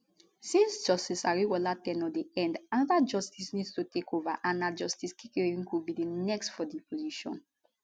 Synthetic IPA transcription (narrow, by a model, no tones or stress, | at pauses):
sĩnsd͡ʒɔstisaɹiwɔlatɛ̃nɔdeɛ̃ndanɔdad͡ʒɔstisnidstutekovaʔãnːad͡ʒɔstiskʰikeĩnkubidenɛkstfɔdipoziʃɔ̰̃n